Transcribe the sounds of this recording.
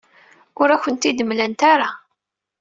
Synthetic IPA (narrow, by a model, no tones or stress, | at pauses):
ʊɾæçʷənt̪id̪əmlænt̪aɾa